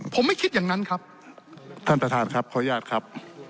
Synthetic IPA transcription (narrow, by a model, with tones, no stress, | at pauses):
pʰo˨˦mːa˥˩jkʰi˦˥t̪̚jaː˨˩ŋna˦˥nkʰa˦˥p̚ | t̪ʰa˥˩nt̪ʰa˧t̪ʰaː˨˩nkʰa˦˥p̚kʰaː˦˩˦jaː˥˩t̪̚kʰa˦˥p̚